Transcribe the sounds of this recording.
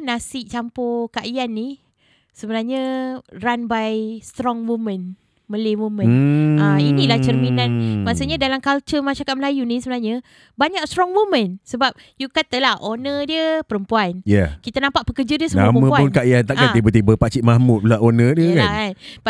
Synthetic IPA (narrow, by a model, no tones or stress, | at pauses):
nasɪʔt͡ʃampokaʔijanːi | səbənarɲəranbajst̪ɾɔŋmumə̃n | məlemomə̃nainilaht͡ʃərminanmasuɲadalamkalt͡ʃəmaʃaakat̪̚məlajunisəbənaɲə | baɲak̚st̪ɾɔŋmomə̃nsəbap̚ | jukat̪alahʔonədiəpəɾəmpuanjakit̪anãmpaʔpəkərd͡ʒadiəsənamə̃puapʊnkaʔiant̪aʔkaipət̪ibəpat͡ʃiʔ̪̚mahmʊt̪̚laʔonədiəkannb